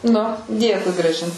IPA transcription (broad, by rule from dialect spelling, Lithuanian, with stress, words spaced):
nʊ ˈdʲeːkʊɪ ɡrɐˈʒʲɪn